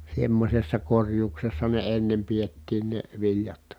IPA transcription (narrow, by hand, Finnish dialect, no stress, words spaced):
semːosʲesːɑ korjuːksesːɑ ne enːem pietːiːn ne ʋilʲjɑt